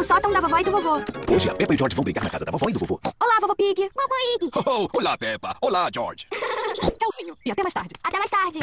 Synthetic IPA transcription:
ʊsɔt̪ɐ̃w̃d̪avavɔɪd̪ʊvovooʒɪa̰pɛpɐɪid͡ʒɔɾd͡ʒɪvɐ̃w̃bɾiɡaɾnɐkazɐd̪avavɔɪd̪ʊvovo̰olavovopiɡɪ̃ɐboid̪ɪowolapɛpɐolad͡ʒɔ̰ɾd͡ʒɪ | ɛʊsĩɲʊɪat̪ɛmajʃst̪a̰ɾd͡ʒɪat̪ɛmajst̪aɾd͡ʒɪ

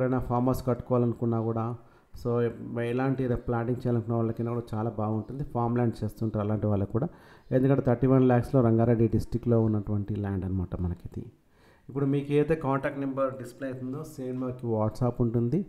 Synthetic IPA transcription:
ɐɾɐjnaːpʰaːɾmaːskɐʈːu̥kɔʋaːlɐnukunːaːkuːɽaː | soːlaːɳʈiɾplaːʈiŋt͡ʃɛːjalɐnukunːaːʋaːlːɐkɐnɐʋaːɭɐt͡ʃaːlaːbaːɡuɳʈund̪ipʰaːɾmlaːɳɖt͡ʃeːst̪uːɳʈaːɾɐlaːɳʈiʋaːɭːɐkːuːɽaː | end̪ukɐ̃ɳʈːet̪ɐʈːiʋɐnɾilaːkslo̞ːɾɐŋɡaːɾeːɖiɖisʈɾikːlo̞ːunːɐʈuʋɐɳʈilaːɳɖɐnimaːʈɐmːɐnɐkit̪ḭ | ipːuɽumiːkeːt̪eːkaːɳʈaːk̚ʈmɐmbɐɾɖispleɐjt̪und̪o̞ːseːnʋɐːɾkiʋaːʈsaːpuɳʈund̪i

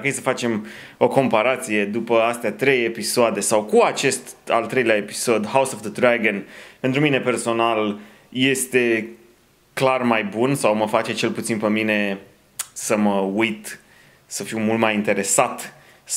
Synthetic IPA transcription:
ejsəfat͡ʃe̞m | o̞ko̞mpaɾat̪sije̞d̪upəast̪eat̪ɾe̞jepisoad̪e̞sawkuat͡ʃe̞st̪a̰lt̪ɾe̞jleaepi̥so̞d̪hawsovd̪əd̪ɾaɡənpe̞nt̪ɾumine̞pe̞rso̞nal | je̞st̪e̞ | klarmajbunsawməfat͡ʃe̞t͡ʃe̞lput̪sinpəmine̞ | səməujt̪ | səfiwmult̪majint̪e̞ɾe̞sat̪

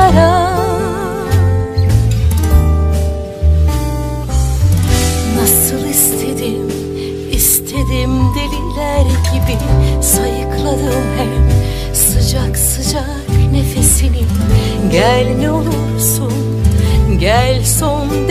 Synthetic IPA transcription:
ɾa | nasɯlˠist̪ʰe̞d̪im | ist̪ʰe̞d̪imd̪elʲilʲæɾɟibisajɯklˠad̪ɯmhɛm | sɯd͡ʒaksɯd͡ʒa | kne̞fe̞sini | ɟælʲmio̞lˠuɾsun | ɟælʲsond̪

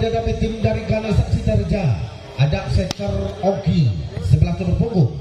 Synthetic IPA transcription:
dadapət̪ɪŋdaɾikanasaʔsit̪ərd͡ʒa | adaʔ̚sɛt̪əroɡisəbəlaht̪əbərpuŋɡu

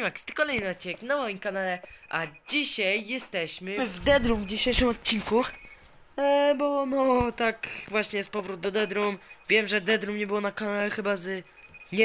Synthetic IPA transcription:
makst̪kɔlɛjnɨɔt̪̚t͡ɕinɛknawamʲikanalɛʔad͡ʑiɕajːɛst̪ɛɕmɘvd̪ɛd̪ɾumvd͡ʑiɕejʂɨmɔt̪̚t͡ɕːiŋku | bɔnɔt̪akvwaɕɲɛjspɔvɾut̪̚d̪ɔd̪ɛd̪ɾumvʲjɛmʐɛd̪ɛd̪ɾumɲɛbɘwɔnakanalɛxɘbazɲɛ

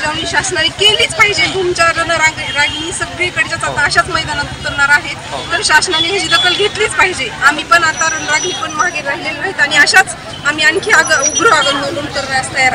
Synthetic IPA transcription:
d͡zaʋniːɕasnanikeliːt͡spaɦid͡ʑebʱumt͡ɕaɾənəɾãŋɡɾaɡliːsəɡɾekəɽt͡ɕat͡sat̪aːɕat͡sməjd̪anat̪ut̪əɾɳaɾaɦet̪t̪əɾɕasnaniɦed͡ʑiːd̪əkʰəlɡʱeʈ̪liːt͡spaɦid͡ʑeamiːpəɳat̪aɾənɾaɡiːpəɳmaɡeɾaɦilelnaɦit̪aɽ̃iəɕat͡s | am̤iːaŋkʰeaɡəuɡɾoaɡənːənunkəɾʋajəst̪aja

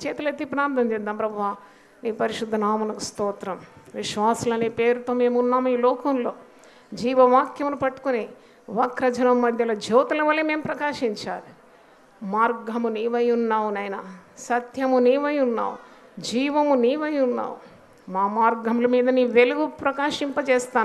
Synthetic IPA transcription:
t͡ʃɛːt̪ɐlet̪ipɾaːnt̪ʰɐmd͡ʒɛːd̪aːmpɾɐbʱɐʋaː | niːpɐɾiʃud̪ʱːɐnaːmɐnɐkust̪ɔːt̪ɾɐmʋiʃʋaːsulɐneːpe̞ːɾut̪o̞ːme̞ːmunːaːmiːlɔːkɐmlo̞ː | d͡ʒiːʋɐʋaːkjɐmulupɐʈːu̥kuni | ʋɐkɾɐd͡ʒɐnɐmːɐd̪ʱjɐlɐd͡ʒɛːt̪ɐlɐʋɐlːeme̞ːmupɾɐkaːʂiɲt͡ʃaːɾu | maːɾɡʱɐmuniːʋɐjunːaːwunɐːjnɐsɐt̪jɐmuniːʋɐjunːa̰ːwu | d͡ʒiːʋɐmuniːʋɐjunːa̰ːwu | maːmaːɾɡʱɐmulɐmiːd̪ɐniːʋe̞luɡupɾɐkaːʃimpɐt͡ʃɛːst̪aːn

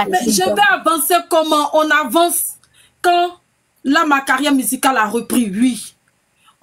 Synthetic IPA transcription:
ɛʒɛfɛavãsekɔmãʔɔ̃navãs | kã | lamakaʁjamyzikalaʁəpʁiɥi

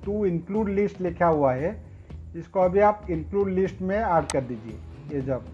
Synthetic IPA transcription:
t̪uɪnkluːɖlɪsʈlekʰjaɦuaɦɛ | ɪskoɐbʱiaːpɪnkluːɖlɪsʈmẽaːɾɖkɐɾd̪iːd͡ʒiḛ | jed͡ʒɐb

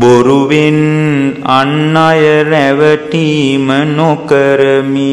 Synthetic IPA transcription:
boɾuʋin | anːajɐɾɛʋəʈimənokəɾəmi

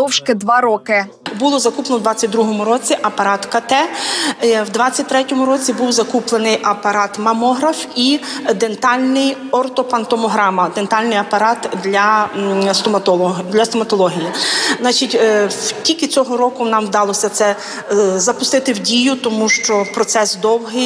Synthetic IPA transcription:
d̪ɔwʃkɪd̪ʋɑɾɔkɪ | bulˠɔzɐkuplˠnɔwd̪ʋɑt͡sʲːɐt̚ʲd̪ɾuɦɔmʊɾɔt͡sʲiʔɐpɐɾɑt̪kɐt̪ɛ | wd̪ʋɑt͡sʲːɐt̚ʲt̪ɾɛtʲɔmʊɾɔt͡sʲibuwzɐkuplˠenɪjʔɐpɐɾɑt̪mɐmɔɦɾɐfid̪e̞nt̪ɑlʲnɪjɔrt̪ɔpɐnt̪ɔmɔɦɾɑmɐd̪ent̪ɑlʲnɪjɐpɐɾɑt̪d̪lʲɐsd̪ʲlʲɐst̪ɔmɐt̪ɔlˠɔɦʲijizɑt͡ʃitʲtʲikʲɪt͡sʲɔɦɔɾɔkʊnɑmwd̪ɑlˠɔsʲɐt̪sɛ | zɐpʊst̪ɪt̪ɪwdʲijʊt̪ɔmuʃt͡ʃɔpɾɔt̪sɛsd̪ɔwɦɪ

